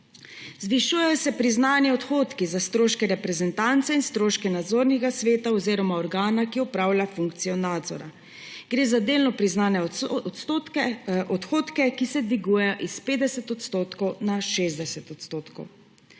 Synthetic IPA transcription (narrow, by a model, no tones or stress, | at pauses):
zʋiʃujɛjɔsɛpɾiznaːnjɛɔt̪xoːt̪kizast̪ɾoːʃkɛɾɛpɾɛzɛnt̪ant̪sɛinst̪ɾoːʃkɛnad̪zoːɾnɛɡasʋeːt̪aɔziːɾɔmaɔɾɡaːnakiɔpɾaːwlʲjafuŋk̚t̪sijɔnaːd̪zɔ̰ɾa | ɡ̥ɾeːzad̪eːlnɔpɾiznaːnɛɔt̪s | ʔɔt̪xoːt̪kɛkisɛd̪ʋiɡuːjɛjɔʔispeːd̪ɛsɛt̪ɔt̪st̪oːt̪kɔwnaʃeːzd̪ɛsɛt̪ɔt̪st̪oːt̪kɔw